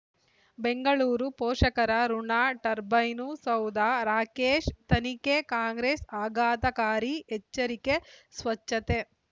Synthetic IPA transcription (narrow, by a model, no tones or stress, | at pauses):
beŋɡɐɭuːɾupoːʂɐkɐɾɐɾuɳaːʈɐɾbɐjnusɐwd̪aːɾaːkeːʃt̪ɐnikekaːŋɡɾeːsaːɡaːt̪ɐkaːɾiet͡ʃːɐɾikesʋɐt͡ʃːɐt̪e